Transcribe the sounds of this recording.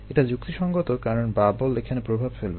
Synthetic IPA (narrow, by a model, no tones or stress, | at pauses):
eʈad͡ʑuk̚t̪iʃɔŋɡot̪okaɾonbabolekʰanepɾobʱabfelbe